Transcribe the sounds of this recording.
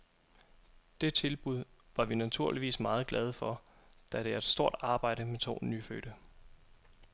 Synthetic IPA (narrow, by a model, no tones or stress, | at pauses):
d̥e̝t͡sʰe̝lb̥uð̞̰ˠʋɑ̈ʋinæt͡sʰuɐliʋḭːsmɑ̈ːð̞̩ˠɡ̥lɛð̞ˠəfɒ̽d̥æɾ̥e̝æɐed̥sd̥o̝ɐ̰d̥ɑ̈ːb̥ɑ̈ɪ̰ɾ̥əmet͡sʰo̝̰ːnyːføːɾ̥ə